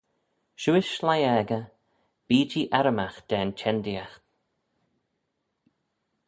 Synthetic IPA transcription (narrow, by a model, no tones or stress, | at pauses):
ʃuːɪʃlajɛːɡə | b̥iːd͡ʒiːʔaɾəmaxd̪̥ɛːnt͡ʃʰɛnd̪iaxt̪